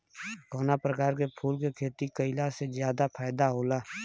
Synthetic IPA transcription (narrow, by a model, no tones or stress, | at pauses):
koːnapɾəkaːɾkepʰuːlkekʰeːt̪ikəɪlasezjaːd̪apʰaːɪd̪aɦoːlaː